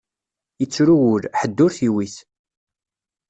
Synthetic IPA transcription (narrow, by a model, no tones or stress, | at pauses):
ət͡sːɾuwʊlħəd̪ːʊɾθiwiθ